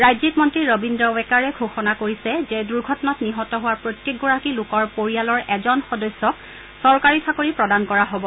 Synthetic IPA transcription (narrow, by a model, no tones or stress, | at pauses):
ɹajzikmɔntɹiɹobindɹɔwɛkaɹɛɡʱoxɔnakoɹisɛzɛduɹɡʱɔtɔnɔtniɦɔtɔɦʊwaɹpɹojtjek̚ɡɔɹakilʊkɔɹpoɹijalɔɹɛzɔnxɔdɔjsːɔk̚ | sɔɹkaɹitʰakoɹipɹɔdankɔɹaɦobɔ